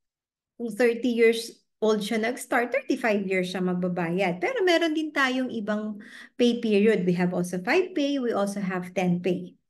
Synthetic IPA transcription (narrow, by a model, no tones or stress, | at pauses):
kʊŋθɛɹt̪ijiɹs | ʔold̪̚ʃanɐɡst̪aɹt̪̚ːɛɹt̪ifajvjiɹsɐmɐɡ̚bɐbaːjɐd̪̚pɛːɾo̞mɛːɾond̪ɪnt̪aːjoŋʔɪbaŋpejpiɹjod̪̚wiɦɐvʔolsofajvpejwiʔolsoɦɐv̥t̪ɛnpej